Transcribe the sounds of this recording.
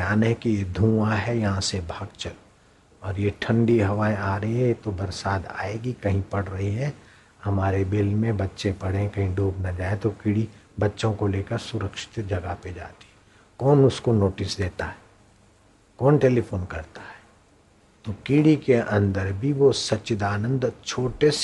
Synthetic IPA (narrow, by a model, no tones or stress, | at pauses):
jaːnɦɛkijed̪ʱũːaɦɛjɐɦãsebʱaːɡt͡ʃəl | ɔːɾjeʈʰə̃ɳɖiɦɐʋaːeaːɾəɦiɦɛ̃jet̪obɐɾsaːd̪a̰ːeːɡikɐɦĩpɐɽɾɐɦiɦɛ̃ | hɐmaːɾebɪlmẽbɐtːʃẽpɐɽ̤ẽkɐɦĩɖʱuːbnad͡ʒaːẽt̪okiɽibɐtːʃõkoleːkəɾsʊɾəkʃɪ̥t̪d͡ʒʱɐɡaɦped͡ʒa̰ːt̪i̥ɦɛ | kɔːnʊskonoːʈɪsd̪eːt̪aɦɛɛː | kɔːnʈeːlipʰoːnkɐɾt̪ḁɦɛː | t̪okiːɽikeɐ̃nd̪əɾbʱiʋosɐtːʃɪd̪aːnə̃nd̪t͡ʃʰoːʈes